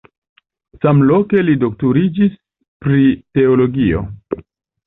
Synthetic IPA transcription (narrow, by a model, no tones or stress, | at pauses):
samlo̞ke̞lidok̚tuɾid͡ʒis | pɾite̞olo̞ɡio̞̰